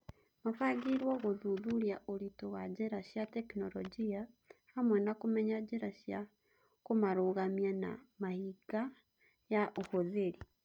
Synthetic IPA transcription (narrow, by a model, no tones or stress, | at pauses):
mafaɡiɾwoɣoðuðuɾjaʔoɾitowad͡ʒeɾaʃjatekinoɾo̰d͡ʒiahamwɛnakumeɲad͡ʒeɾaʃja | komaɾoɣamjana̰mahiɡa | jaʔohoðeɾi